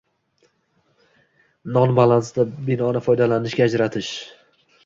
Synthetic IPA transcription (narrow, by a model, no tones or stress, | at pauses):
nɒnbalˠansd̪abɪnɒnɪfɒjd̪alanɪʃɡʲaːd͡ʒɾat̪ʰɪʃ